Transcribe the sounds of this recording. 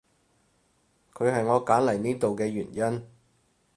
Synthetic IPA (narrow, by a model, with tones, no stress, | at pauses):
kʰɵ˨˧ɥɦɐ˨jŋɔː˨˧kaː˨˥nlɐ˨˩jniː˥t̪o˨wkɛː˧ɥyː˨˩njɐ˥n